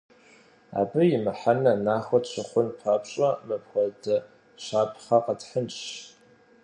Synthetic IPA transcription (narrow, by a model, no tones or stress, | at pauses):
a̰ːbɨjɪmɨħanɐnaːxʷɔtt͡ɕʷʰɨχʷʊnpʰaːpʰɕʼɐmɨp̚ʰxʷɔdɐ | ʃaːpʰχaqətħənt͡ʃɕ